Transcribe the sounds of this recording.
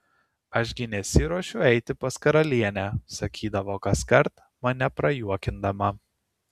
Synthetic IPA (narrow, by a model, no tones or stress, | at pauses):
ɐʃɡʲɪnʲɛsʲɪɾuɔʃʲʊɛɪt̪ʲɪpɐskɐɾɐlʲiɛnʲæsɐkʲʰiːd̪ɐʋoːkɐskɐɾt̪ | mɐnʲɛpɾɐjuɔkʲɪnd̪ɐmɐ